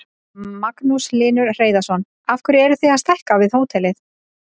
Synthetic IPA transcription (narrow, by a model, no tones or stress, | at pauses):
maknuslɪːnʏɾr̥eːjðasɔn | afkʰvʏɾɛɾʏθejaðst̪ahkavɪðhoːwt̪ʰɛlɪθ